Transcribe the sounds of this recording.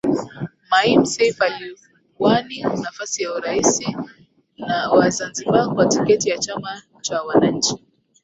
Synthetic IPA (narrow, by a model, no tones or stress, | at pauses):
maim̩sɛfali | waninafasijauɾaisi | nawazanzibakwatikɛtijat͡ʃama | t͡ʃawanaɲ̩t͡ʃi